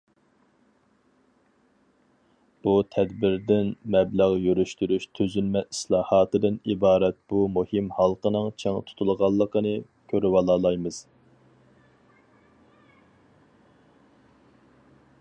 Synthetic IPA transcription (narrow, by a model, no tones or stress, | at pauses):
b̥ut̪ʰɛd̪bɪɾd̪ɪnmɛblæʁjyɾyʃt̪yɾyʃt̪ʰøzynmɛislˠɑːhɑːt̪ɨd̪ɨnibɑːɾɛt̪̚b̥umuhɨmhɑlˠqənɨŋt͡ʃʰɛŋt̪ʰu̥t̪ʰulˠʁɑlˠːəqənɨ | kʲʰøɾywɑlˠɑːlˠɑjmɨz̥